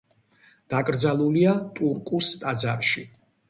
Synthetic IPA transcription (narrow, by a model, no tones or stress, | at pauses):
d̪̥akʼɾd̪zalˠuliat̪ʼuɾkʼust̪ʼad̪zaɾʃi